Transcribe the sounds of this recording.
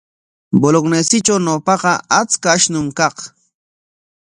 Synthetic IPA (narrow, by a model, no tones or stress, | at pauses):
boloknesɪt͡ʃawnopɑɢɑat͡skaːʃnʊmkɑq